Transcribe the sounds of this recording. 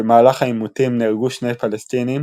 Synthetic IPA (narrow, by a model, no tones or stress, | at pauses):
emaːlaχaimutimniʁɡuʃne̞jpalestinim